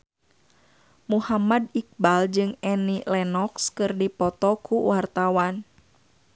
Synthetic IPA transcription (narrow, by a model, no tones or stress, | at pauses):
muhamadik̚bald͡ʒɨŋɛnilɛnɔkskɨrdipɔt̪ɔkuwart̪awan